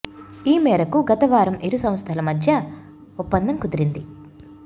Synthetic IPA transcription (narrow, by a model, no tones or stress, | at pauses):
iːmɛːɾɐkuɡɐt̪ɐʋaːɾɐmeɾusɐmɐst̪ʰɐlɐmɐd̪ʱjɐ | upːɐnd̪ɐŋkud̪iɾind̪i